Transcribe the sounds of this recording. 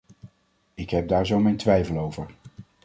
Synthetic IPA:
ɪkɦɛp̚daːɹzowmejntʋɛjvəlˠowvəɹ

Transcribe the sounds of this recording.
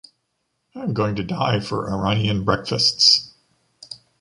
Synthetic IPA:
ãɪ̃mɡoʊɪ̃ŋtɨdaɪfə̰˞ʔə˞ãniɨ̃nbɹɛkfɨsts

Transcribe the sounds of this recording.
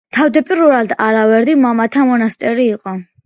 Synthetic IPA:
t̪ʰavd̪ɛpʼiɾuɾald̪alavɛɾd̪imamat̪ʰamɔnast̪ʼɛɾiːqʼɔ

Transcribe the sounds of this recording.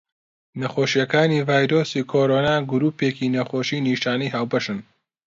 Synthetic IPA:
nɐxoːʃijɐkaːnivaːjɾoːsikʰoːɾoːnaːɡʊɾuːpeːkinɐxoːʃiːniʃaːnijɦaːwbɐʃɨn

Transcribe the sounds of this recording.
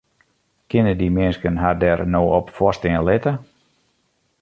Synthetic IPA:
kɪnədimɪnskənɦadɛrnoːɔpfɔstɪːnlɪtə

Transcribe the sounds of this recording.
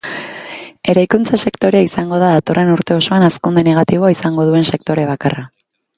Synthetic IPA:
e̞ɾajkunt͡sase̞kt̪o̞ɾe̞aisaŋɡo̞ðaðat̪o̞rʔe̞nuɾt̪e̞o̞so̞anaskund̪ene̞ɣ̞at̪iβ̞o̞aisaŋɡo̞ðue̞nse̞k̚t̪o̞ɾe̞β̞akara

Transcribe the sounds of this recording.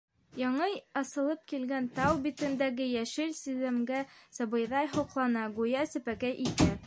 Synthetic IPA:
jɑɴɤjɑsɤ̆lˠɤp̚kilɡænt̪ɑwbit̪ɘ̆nd̪æɡɘjæʃɘlsizɘ̆mɡæsɤbɤ̆jðɑjɦŏqlˠɑnɑɡujæsɘ̆pækæjʔit̪æ

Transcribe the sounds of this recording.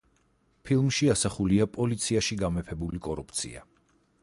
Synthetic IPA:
pʰilˠmʃiasaχuliapʼɔlit̪sʰiaʃiɡamɛpʰɛbulikʼɔɾupʰt̪sʰḭa̰

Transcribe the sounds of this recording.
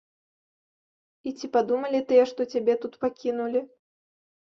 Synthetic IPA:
it͡sʲipad̪umɐlʲit̪ɨjɛʂt̪ɔt͡sʲabʲɛt̪ut̪pakʲinulʲi

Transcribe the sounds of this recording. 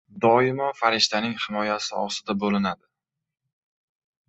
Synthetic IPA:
d̪ɒɪmɒfaɾɪʃt̪anɪŋhɪmɒjasɪɒ̰sɪd̪abolɪnad̪ɪ

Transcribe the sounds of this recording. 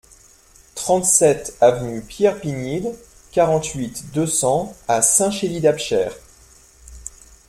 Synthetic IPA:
t̪χɑ̃t̪sɛt̪avnypjɛʁpinid̪ | kaʁɑ̃t̪ɥit̪d̪øsɑ̃asɛ̃ʃelid̪apʃɛːʁ

